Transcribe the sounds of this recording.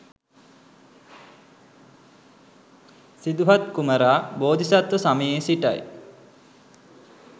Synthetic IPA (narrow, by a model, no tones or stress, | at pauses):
sid̪uɦat̪kuməɾaːboːd̪ʱisat̪ːosaməjeːsiʈa̰j